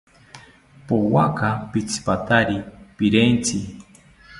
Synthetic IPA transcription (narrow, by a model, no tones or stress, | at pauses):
powakapit͡sʰi̥pat̪aɾipiɾent͡sʰɪ